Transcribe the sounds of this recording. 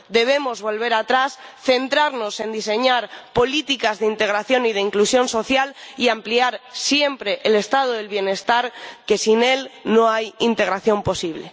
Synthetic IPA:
d̪e̞βe̞mo̞zβo̞lβ̞e̞ɾat̪ɾasθe̞nt̪ɾaɾno̞se̞nd̪ise̞ɲaɾpo̞lit̪ikazðeint̪e̞ɣɾaθjo̞nið̞e̞iŋklusjõ̞nso̞θjaliampliaɾsje̞mpɾe̞ʔele̞st̪að̞oðe̞lβje̞ne̞st̪aɾke̞sine̞lno̞ajint̪e̞ɣɾaθjo̞mpo̞siβ̞le̞

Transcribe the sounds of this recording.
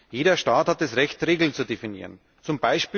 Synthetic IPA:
jeːɾdɐʃtaːthatɛsʁɛçtʁeːɡl̩nt͡sudefinḭːʁən | t͡sʊmbaɪʃpː

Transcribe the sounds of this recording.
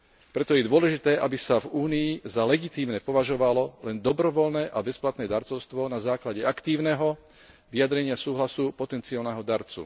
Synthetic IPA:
pɾɛt̪ɔjɛd̪ʋʊɔlɛʒit̪ɛːʔabisavuːniːzalɛɡit̪iːmnɛpɔʋaʒɔʋalɔlɛnd̪ɔbɾɔʋɔlnɛːʔabɛsplat̪nɛːd̪aɾt͡sɔʊst̪ʋɔnazaːklaɟɛakt̪iːʊnɛɦɔ | ʋiad̪ɾɛɲɪasuːɦlasupɔt̪ɛnt͡sialnɛɦɔd̪aɾt͡sṵ

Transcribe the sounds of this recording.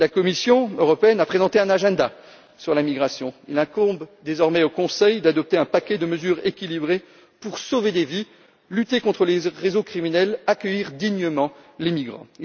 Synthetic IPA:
lakɔmisjɔ̃øʁɔpeɛnapχezɑ̃t̪eɛ̃naʒɛ̃d̪a | syʁlamiɡʁasjɔ̃ilɛ̃kɔʁbd̪ezɔʁmɛokɔ̃sɛjd̪ad̪ɔp̚t̪eɛ̃pakʲɛd̪əməzyʁekʲilibʁe | puʁsoved̪evi | lyt̪ekɔ̃t̪χəleʁezokχiminɛlakʲəjiʁd̪iɲəmɑ̃lemiɡʁɑ̰̃

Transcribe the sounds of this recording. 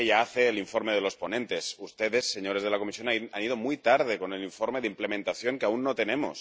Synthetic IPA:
eʝaaθeːliɱfo̞ɾmeðelo̞sponẽnt̪esust̪eðe̞sːeɲo̞ɾezð̞e̞lakomisjonaniðomujt̪aɾð̞eko̞neliɱfoɾmeðimplemẽnt̪aθjo̞ŋkeaunːot̪e̞nemo̰s

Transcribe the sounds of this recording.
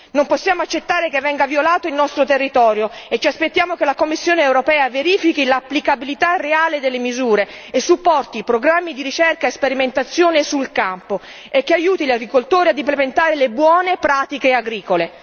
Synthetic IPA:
nomposːjaːmoat͡ʃːet̪ːaːɾekevːɛŋɡavjolaːt̪oilnɔst̪ɾot̪erːit̪ɔːɾjoet͡ʃiaspet̪ːjaːmokelakomːisːjoːneːwɾopɛːaveɾiːfikilapːlikabilit̪arːeaːled̪elːemizuːɾeesːupːɔrt̪ipɾoɡɾamːid̪iɾit͡ʃɛrkaespeɾiment̪at̪sːjoːnesulkampo | ekːeajuːt̪iʎaɡɾikolt̪oːɾiad̪implement̪aːɾelebwɔːnepɾaːt̪ikeaɡɾiːkole

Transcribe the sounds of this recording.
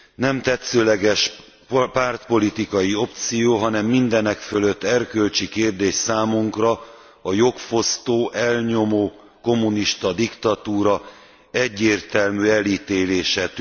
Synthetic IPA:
nɛmt̪ɛt̪søːlɛɡɛʃ | paːrt̪po̞lit̪ikɒjio̞p̚t̪sijoːɦɒnɛmːind̪ɛnɛkfølø̞t̪ːɛrkølt͡ʃikeːrd̪eːʃsaːmuŋkrɒ | ɒjo̞kfo̞st̪oːʔɛlɲo̞moː | ko̞mːuniʃt̪ɒd̪ikt̪ɒt̪uːɾɒ | ɛɟːeːrt̪ɛlmyːɛliːt̪eːleːʃɛt̪

